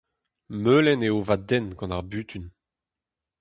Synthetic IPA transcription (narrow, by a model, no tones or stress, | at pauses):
møːlɛneovad̪ɛnɡɑ̃naʁbyːt̪ʰyn